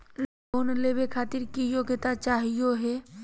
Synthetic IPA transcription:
n | oːnleːbekʰaːt̪ɪɾkijoːɡt̪at͡ʃaːɦijoɦɛː

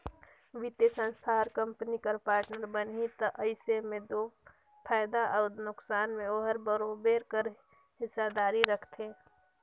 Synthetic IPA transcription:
ʋit̪esə̃nst̪ʰaɔɾkə̃mpnikəɾpaːɾʈnəɾbənɦit̪əʔəɪsemẽd̪oː | pʰɛːd̪aʔəʊd̪nʊksaːnmẽoːɦəɾbəɾobeːɾkəɾ | ɦɪsːad̪aːɾiɾəkʰt̪ʰeː

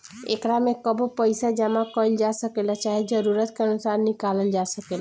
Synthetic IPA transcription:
ḛkɾamekəbopəjsad͡ʒamakəld͡ʒasəkelət͡ʃaɦid͡ʒəɾuɾət̪keənusaɾːikaləld͡ʒasəkel

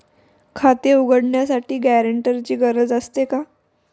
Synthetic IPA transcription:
kʰat̪euɡəɽɳjasaʈiːɡæɾəɳʈəɾt͡ɕiːɡəɾəd͡zəst̪eka

